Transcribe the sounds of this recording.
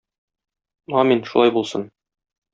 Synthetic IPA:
ɒminʃulˠɑjbulˠsɤ̰n

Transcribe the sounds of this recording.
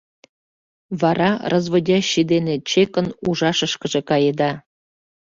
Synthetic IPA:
βɑɾɑrɤzβŏdʲɑɕid̪enet͡ɕekə̆nuʒɑʃəʃkə̆ʒĕkɑjed̪ɑ

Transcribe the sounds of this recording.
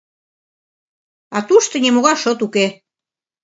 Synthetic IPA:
ɑt̪uʃt̪ɤ̆nʲemoɣɑʃot̪uke

